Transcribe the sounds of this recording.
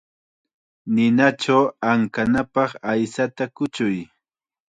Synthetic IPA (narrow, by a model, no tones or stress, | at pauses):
nɪnat͡ʃawaŋkanapɑχajsat̪akʊt͡ʃʊj